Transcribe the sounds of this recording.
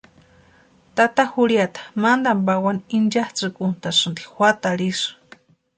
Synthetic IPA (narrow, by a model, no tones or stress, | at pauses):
t̪at̪ahuɽjat̪ḁmand̪ambawanind͡ʒaht͡sɨkunt̪asɨnd̪ixwʷat̪aɾiʂɨ̥